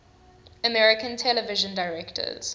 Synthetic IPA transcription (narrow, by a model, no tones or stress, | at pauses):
əmɛɹɪkə̃ntʰɛləvɪʒə̃ndaɪɹɛktʰə̰z̥